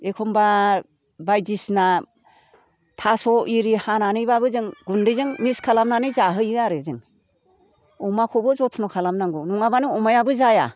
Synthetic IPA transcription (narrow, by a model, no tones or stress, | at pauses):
ekʰɔmba | bajdisna | tʰasɔiɾihananɯjbabɯzɯŋɡundɯjzɯŋmiskʰalamnanɯzaɦɯjɯaɾɯzɯŋ | ɔmakʰɔbɯzɔtʰnɔkʰalamnaŋɡunuŋabanɯɔmajabɯzaja̰